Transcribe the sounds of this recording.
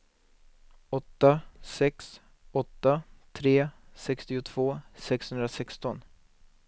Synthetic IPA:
ɔt̪ːasɛks | ɔt̪ːat̪ʰɾeːsɛkst̪ɪʊt̪ʰv̥oːsɛkshɵnd̪ɾasɛkst̪ɔn

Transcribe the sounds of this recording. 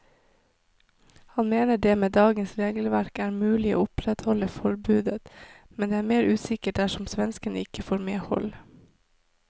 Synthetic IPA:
hɑnmeːnəɖeːmeːd̪ɑːɡənsɾeːɡəl̩ʋæɾkæːɾmʉːlɪo̰ːʊpɾɛt̪hɔləfɔɾbʉːd̪ət̪mɛnd̪eːæːɾmeːɾʉːsɪkəʈ̚d̪æʂɔmsʋɛnskənəɪkəfoːɾmeːhɔ̰l

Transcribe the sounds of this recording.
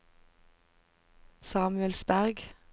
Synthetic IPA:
sɑːmʉɛlsbæʁɡ

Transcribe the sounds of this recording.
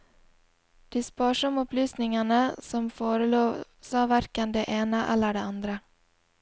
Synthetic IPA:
d̪̥iːspoːʂɔmɔplyːsnɪŋaɳəsɔmfoːɾəloːsɑːʋæɾkənd̪eːʔeːnəʔɛlːəɖeːand̪ɾə

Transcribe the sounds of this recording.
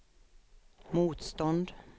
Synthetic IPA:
muːt̪st̪ɔnd̪

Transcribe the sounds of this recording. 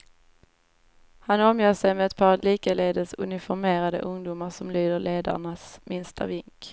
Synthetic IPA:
hanɔmjøːʂɛjmɛɛt̪̚pʰɑːɾliːkəleːd̪əsɵ̰nɪfɔɾmeːɾad̪ə̰ʔɵŋd̪ʊmaɾʂɔmlyːd̪əɾɭeːd̪a̰ɳasmɪnst̪ʰa̰vɪŋk

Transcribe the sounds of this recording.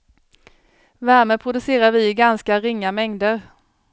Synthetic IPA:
væɾmeːpʰɾʊd̪ɵseːɾaɾvɪɡanskaɾɪŋːamɛŋd̪əɾ

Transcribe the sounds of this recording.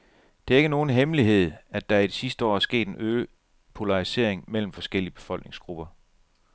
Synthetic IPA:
d̥e̝æɐe̝ɡ̥əno̝ːn̩ɦemliɦe̝ð̞̰ˠæd̥ɑ̈æid̥isisd̥əɒ̰ːɐsɡ̥e̝̰ːd̥e̝nøː | pʰo̝lɑ̈ʁise̝̰ɐ̰eŋmel̰m̩fɒ̽sɡ̥el̰iəb̥e̝̥fɒ̽lɡ̥ne̝ŋsɡ̥ʁub̥ɐ

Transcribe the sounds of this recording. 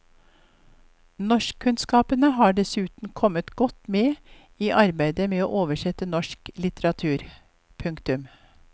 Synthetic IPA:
nɔʃkʰːʉnskɑːpənəɦɑːɖɛsʉːt̪n̩kʰɔmət̪ɡ̥ɔt̪ːmeː | iːʔɑɾbæɪd̪əmeːoːʔoːʋəʃɛt̪ənɔʂklɪt̪əɾɑt̪ʰʉːɾ | pʰʉŋkt̪ʉm

